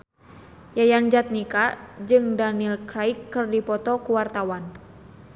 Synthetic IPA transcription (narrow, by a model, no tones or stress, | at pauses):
jajand͡ʒat̪̚nikad͡ʒɨŋdaniilkɾaikːɨrdipɔt̪ɔkuwart̪awan